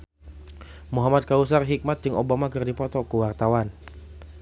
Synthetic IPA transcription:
muɦamat̪̚kaus̬arɦik̚mat̪̚d͡ʒɨŋobamakɨrdipɔt̪ɔkuwart̪awan

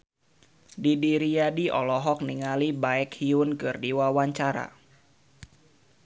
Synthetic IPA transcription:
didiɾijadiʔɔ̰lɔɦɔk̚niŋalibaɛkhiʊnkɨrdiwawaɲt͡ʃaɾa̰

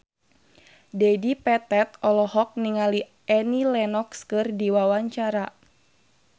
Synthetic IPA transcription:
dɛdipɛt̪ɛt̪̚ɔlɔhɔk̚niŋali | ʔɛnilɛnɔkskɨrdiwawaɲt͡ʃaɾa

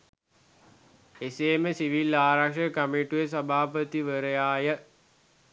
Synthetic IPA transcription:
eseːməsiʋilaːɾakʂəkəmiʈujəs̬abʱaːpət̪iʋəɾəjaːjə

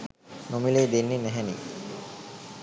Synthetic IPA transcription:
nomileːd̪enːinæɦɛnḭ

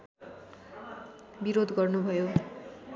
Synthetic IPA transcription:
biɾod̪ɡʌrnubʱʌjo

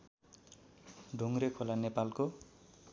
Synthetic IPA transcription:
ɖʱoŋrekʰolanepalko

